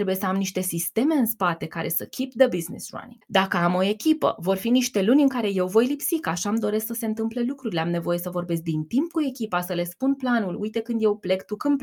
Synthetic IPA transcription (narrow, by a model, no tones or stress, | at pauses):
ɾe̞buje̞səamniʃt̪e̞sist̪e̞me̞ɨnspat̪e̞kaɾe̞səkʲipd̪əbiznḭsra̰nḭŋd̪akəamo̞e̞kʲipə̰vo̞rfiniʃt̪e̞lunʲɨŋkaɾe̞je̞wvo̞jlipsikaʃamd̪o̞ɾe̞sksəse̞ɨnt̪ɨmple̞lukɾuɾileamne̞vo̞je̞səvo̞rbe̞sk̚d̪int̪imp̚kue̞kʲipasəle̞spunplanulujt̪e̞kɨnd̪je̞wple̞ɡt̪ukɨmp